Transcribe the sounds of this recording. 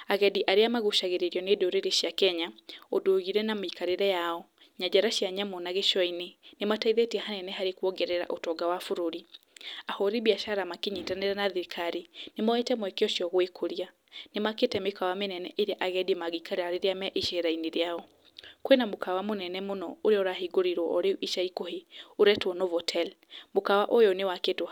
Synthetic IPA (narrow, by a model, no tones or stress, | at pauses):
aɣɛdiʔaɾeamaɣuʃaɣeɾeɾiɔnedoɾeɾeʃjakɛɲaodoɣiɾɛnamikaɾeɾɛjaɔ | ɲad͡ʒaɾaʃjaɲamɔnaɣeʃɔinenemataiðɛtiɛhanɛnɛhaɾekwɔɡɛɾɛɾa̰ʔotɔɡawafoɾoɾiahɔɾiβiaʃaɾamakeɲitaneɾɛnaðikʰaɾinemɔetɛmwɛkeɔʃiɔɣoekʰoɾia | nemaketɛmekawamenɛnɛʔeɾjaʔaɣɛdemaɣikaɾehaɾeɾeamɛaʔeʃɛɾaineɾeaɔ | kwenamokawamonɛnɛmonɔoɾeɔɾaɦiɡoɾiɾwɔʔɔɾeʔiʃaikoheoɾɛtwɔnɔvɔtʰɛlmokawaʔojɔnewaketo